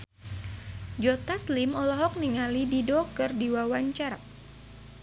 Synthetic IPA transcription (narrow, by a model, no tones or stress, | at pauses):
d͡ʒɔt̪aslimɔlɔɦɔk̚niŋalididɔkɨrdiwawaɲt͡ʃaɾa